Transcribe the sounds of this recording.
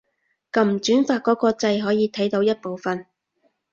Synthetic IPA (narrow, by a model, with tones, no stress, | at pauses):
kɐ˨˩m̩˨t͡ʃyː˨˥nfaː˧t̚kɔː˨˥kɔː˧t͡sɐ˧jɦɔː˨˥jiː˨˧t̪ʰɐ˨˥jt̪o˨˧˥wjɐ˥t̚po˨wfɐ˨n